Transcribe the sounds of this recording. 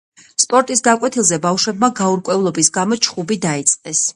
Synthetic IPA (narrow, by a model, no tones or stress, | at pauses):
spʼɔɾt̪ʼisɡakʼwɛt̪ʰilˠzɛbafʃwɛbmaɡauɾkʼwɛvlˠɔbisɡamɔt͡ʃʰχubid̪ait̪sʼqʼɛs